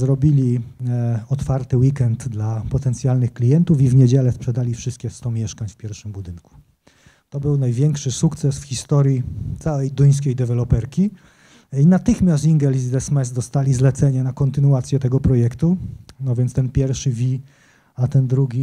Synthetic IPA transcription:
zɾɔbʲilʲi | ɔt̪faɾt̪ɘwikɛnd̪d̪lapɔt̪ɛnt̪sʲjalnɘxklʲijɛnt̪ufivɲed͡ʑɛlɛspʂɛd̪alʲifʂɘst̪̚kʲɛst̪ɔmʲjɛʂkaɲfpʲjɛɾfʂɘmbud̪ɘŋku̥ | t̪ɔbɘwnajvʲjɛŋkʂɘsukt̪sɛsfxʲist̪ɔɾʲjit̪sawɛjd̪uj̃s̬kʲejd̪ɛvɛlɔpɛɾkʲi | inat̪ɘxmʲjast̪iŋɡɛlizd̪ɛsmɛzd̪ɔst̪alʲizlɛt̪sɛɲɛnakɔnt̪ɘnuat̪sʲjɛt̪ɛɡɔpɾɔjɛkt̪unɔvʲjɛnt̪st̪ɛnpʲjɛɾfʂɘvʲi | at̪ɛnd̪ɾuɡʲi

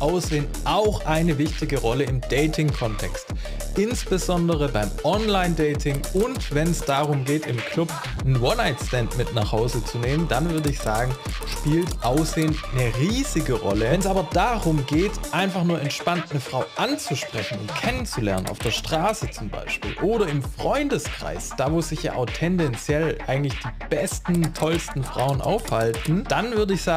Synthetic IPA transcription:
ʔaʊsz̥eːəntʔaʊxʔaɪnəvɪçtɪɡəʁɔləɪmdɛɪtʰɪŋkʰɔntʰɛkst | ʔɪnsb̥əzɔndəʁəbaɪmʔɔnlaɪndɛɪtʰɪŋʊntvɛnɛsd̥aʁ̞ʊmɡeːtɪmkʰlʊp̚ | nənwɔnaɪtstɛntmɪtnaχhaʊzət͡suneːməndanvʏɐdəɪçz̥aːɡŋ̩ | ʃpiːltʔaʊsz̥eːəntnəʁiːzɪɡəʁɔ̰ləɛnsʔaːbɐd̥aʁʊmɡeːtʔaɪnfaχnuːɐʔɛntʃpantnəfʁ̥aʊʔant͡suʃpʁ̥ɛçn̩ʊ̰ntkʰɛnənt͡sulɛɐnənʔa̰ʊfd̥eːɐʃtʁ̥aːsət͡sʊmba̰ɪʃpḭːlʔoːɾɐɪmfʁ̥ɔʏndəskʁ̥a̰ɪsd̥aːvoːsz̥ɪçja̰ːʔaʊχtʰɛndɛnt͡sjɛlʔaɪɡŋ̩tlɪçd̥iːb̥ɛstn̩tʰɔlstn̩fʁ̥a̰ʊənʔa̰ʊfhaltn̩d̥anvʏɐdəɪçz̥aː

